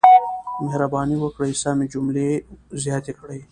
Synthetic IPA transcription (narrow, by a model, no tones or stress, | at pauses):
meɦɾabaːniwɐkɽəjsamed͡ʒumlezjaːt̪ekʰɽəj